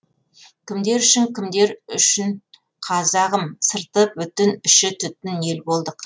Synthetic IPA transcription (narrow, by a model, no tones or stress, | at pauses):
kʲʰɪmd̪e̞ɾʏʃɪŋkʲʰɪmd̪e̞ɾʏ̰ʃɪn | qʰɑzɑʁəmsəɾt̪əpwɵt̪ɪnʏʃɪt̪ʰʏt̪ːɪne̞lbo̞lˠd̪əq